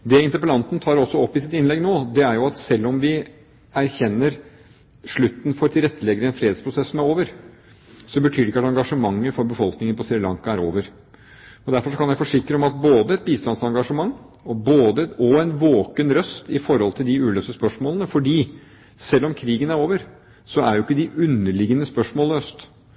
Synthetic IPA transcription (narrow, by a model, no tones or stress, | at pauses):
d̪ɛɪnt̪əɾpəlɑnt̪n̩t̪ʰɑːɾɔsːɔɔpːɪsɪt̪ɪnlɛɡnoːd̪ɛæɾjʊɑt̪sɛlːɔmʋɪ | æɾçɛnːəɾ | ʂɭʉt̪ːn̩fɔɾt̪ʰɪlɾɛt̪ːəlɛɡəɾəɛnfɾeːd̪spʰɾʊsɛsːɔmæɾoːʋəɾ | sɔbət̪ʰyːɾɪkːɑt̪ɑŋɡɑʂəmɑŋːəfɔɾbəfɔlknɪŋənpʰɔsɛɾɪlɑ̰ŋkɑæɾo̰ːʋəɾ | ɔd̪æɾfɔɾʂɔkʰɑnjæɪfɔʂɪkːɾəɔmɑt̪̚boːd̪əɛt̪̚biːst̪ɑnsɑŋɡɑʂəmɑŋː | ɔboːd̪əɔɛnʋoːkənɾœst̪ɪfɔɾhɔlt̪ʰɪld̪ɪʉːløːsəspœʂmoːlənəfɔɖiː | sɛlːɔmkʰɾiːɡənæɾoːʋəɾ | sɔæɾjʊɪkːəd̪ɪʔʉnːəɭɪɡənəspœʂmoːløːst̪